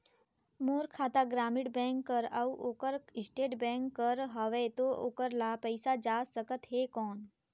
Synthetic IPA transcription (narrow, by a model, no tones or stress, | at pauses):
moːɾkʰaːt̪aɡɾaːmɪɽbɛ̃ːŋkːəɾəuʔoːkəɾɪsʈeːʈbɛ̃ːŋkːəɾɦəʋet̪oo̰ːkəɾlapəɪsad͡ʒaːsəkət̪ɦeːkɔːn